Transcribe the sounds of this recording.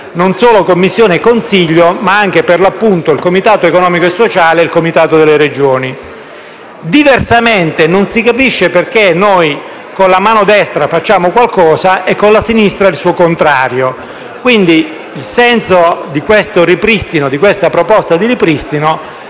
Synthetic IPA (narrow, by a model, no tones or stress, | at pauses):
nonsoːlokomːisːjoːneːkːonsiʎːomaaŋk̟eperlapːunt̪oilkomit̪aːt̪oekonɔːmikoesːot͡ʃaːleilkomit̪aːt̪od̪elːeɾed͡ʒoːni | d̪iversament̪enonsikapiʃːeperkenːoj | konlamaːnod̪ɛst̪ɾafat͡ʃːaːmokwalkɔːsaʔekːonlasinist̪ɾailsuːokont̪ɾaːɾjo | kwind̪i | ilsɛnsod̪ikwest̪oɾipɾist̪inod̪ikwest̪apɾopɔst̪ad̪iɾipɾist̪ino